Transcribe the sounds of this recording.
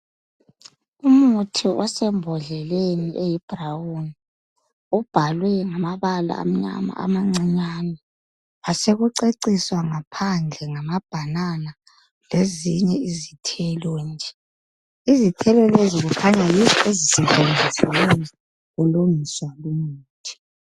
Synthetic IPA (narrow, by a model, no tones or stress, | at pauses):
umutʰiɔsɛmbʱɔɮɛleniʔejib̥ʱrawuni | ub̥ʱalwɛŋamaβala̰ːm̩ɲa̰ma̰a̰maŋ͡ǀiɲanɔ | aseɣuǀeǀiswaŋapʰand͡ɮʱɛŋamab̥ʱanana | leziɲɛizitʰɛlɔnd͡ʒʱɛ | izitʰɛlɔleziɣukʰaɲajizɔezisɛvend͡zʱisɛlɛnɛ | ɣuluŋiswalumuːtʰi̥